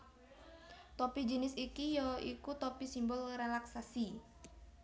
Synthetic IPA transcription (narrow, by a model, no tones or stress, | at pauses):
t̪ɔpid͡ʒənɪsikijɔikut̪ɔpisimbʊlrelaksasi